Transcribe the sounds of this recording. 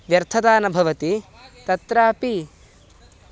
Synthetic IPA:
ʋjɐɾt̪ʰɐd̪aːnɐbʱɐʋɐt̪i | t̪ɐt̪ɾaːpi

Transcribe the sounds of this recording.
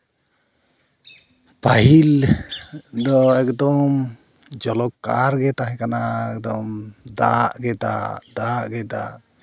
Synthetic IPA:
paɦil | d̪ɔɛkd̪ɔm | d͡ʒɔlɔkːa̰ɾɡɛt̪aɦɛ̃kanaɛkd̪ɔmd̪a̰ʔɡɛt̪a̰d̪aʔɡɛd̪a̰ʔ

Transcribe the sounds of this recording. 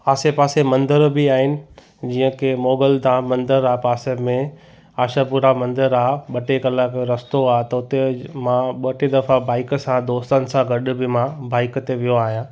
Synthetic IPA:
aːsepaːsemɐ̃nd̪əɾbɪaːɦɪnɪ̆ | d͡ʑiːə̃kʰemoːɡəld̪ãmɐ̃nd̪əɾaːpaːsemẽ | aːʃapuːɾamɐ̃nd̪əɾaːɓɐʈekɐlakɾɐst̪oaːɦt̪ɐʊt̪emãɓɐʈed̪ɐfabaːɪkəsãd̪oːst̪ənɪ̆sãɡɐɗʊbɪmãbaːɪkt̪eʋijoaːɦijãː

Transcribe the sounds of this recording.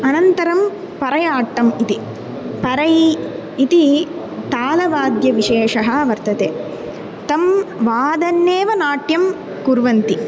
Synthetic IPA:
ɐnɐnt̪ɐɾɐm | pɐɾɐjaːʈːɐmit̪i | pɐɾɐji | it̪i | t̪aːlɐʋaːd̪jɐʋiʂeːʂɐɦɐʋɐɾt̪ɐt̪eː | t̪ɐmʋaːd̪ɐnːeːʋɐnaːʈjɐm | kuɾʋɐnt̪i

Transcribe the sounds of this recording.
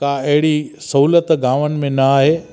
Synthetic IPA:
kãɐɦɪɽisɐɦuːlət̪ɡãːʋənɪ̆mẽnɐaːɦeː

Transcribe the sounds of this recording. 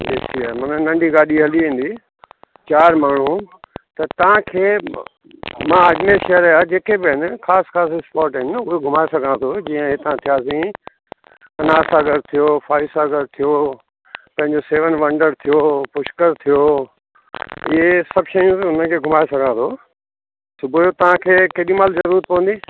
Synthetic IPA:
ḛːsiːəmɐnənɐ̃ɳɖʱiɡaːɗiɦɐliĩːnd̪i | t͡ɕaːɾmaːɳ̤ũt̪ɐt̪ɐʋãkʰeː | mãɐʄɪneʃɐɦəɾaːd͡ʑeːkebɪɦɪnɪxaːsxaːs̬spɔːɾʈɦɪnɪʊɦeɡʱʊmaːesɐɡʱãt̪ʰod͡ʑĩːə̃ɦɪt̪ãt̪ʰijaːsĩ | ɐnaːsaːɡəɾt̪ʰijofʰaːisaːɡəɾt̪ʰijo | pɐ̃ɦɪ̃ɲd͡ʑoseːʋənʋɐ̃ɳɖəɾt̪ʰijopʊʃkəɾt̪ʰijo | ɪɦesɐbʃɐjũʊn̤ənkʰeːɡʱʊmaːjosɐɡʱãt̪ʰo | sʊbʱojot̪ɐʋ̤ãkʰeːkɐɗĩmaːlzɐɾuːɾət̪̚pɐʋə̃nd̪iː

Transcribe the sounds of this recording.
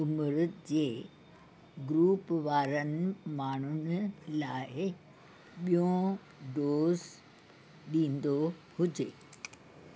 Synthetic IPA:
ʊmɾʊd͡ʑeː | ɡɾuːpʋaːɾənɪ̆maːɳ̤ʊnɪlaːɪ | ɓijõ | ɖoːz | ɗĩːn̆d̪o | hʊd͡ʑeː

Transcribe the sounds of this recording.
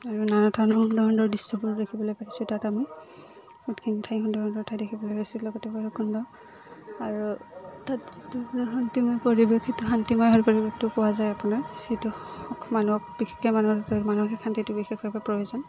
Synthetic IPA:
aɹunanɔtʰandɔɔndɔɹdisɔbuɹdekʰibɔlojpaɦisʊtatamɔj | utkʰintʰajɦɔndɔɹɔndɔɹtʰajdekʰibɔlojpajsilɔɡɔtɛbaɹukʰɔndɔ | aɹutatitunɦɔntimɔjpoɹibekʰitʊɦantimajɦɔɹpɔɹibek̚tʊkɔwazajapʊnaɹsituɔkʰmanuɔk̚b̥ikʰekɛmanuɦɔpmanuɔkikʰantitubixʰekbapapɹojizɔn

